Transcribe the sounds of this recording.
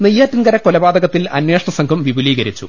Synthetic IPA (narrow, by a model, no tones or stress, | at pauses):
nijːaːt̪ːinɡɐɾɐkolɐbaːd̪ɐɣɐt̪ːilɐ̰nweːʂɐɳɐsɐŋɡʰʱɐmʋibʱuliːɡɐɾit͡ɕːṵ